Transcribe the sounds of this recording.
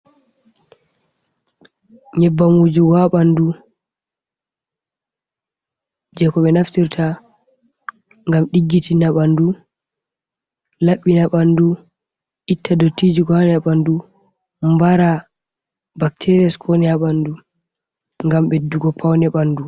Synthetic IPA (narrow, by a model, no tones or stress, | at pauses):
ɲɛbːamud͡ʒuɡɔaɓandu | d͡ʒɛkɔɓɛnaftiɾtʰa | ŋɡamɗiɡːitinaɓandu | laɓːinaɓandu | ʔitʰːadotːid͡ʒiɡɔanɛaɓandu | mbaɾa | baktʰɛɾiaskʰɔnɛaɓandu | ŋɡamɓɛduɡɔpʰawnɛɓandu